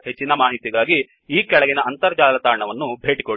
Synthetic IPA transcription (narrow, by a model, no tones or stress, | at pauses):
ɦet͡ʃːinɐmaːɦit̪iɡaːɡi | iːkɛɭɐɡinɐɐnt̪ɐɾɐd͡ʒaːlɐt̪aːɾɳɐʋɐnːubʱe̞ːʈiko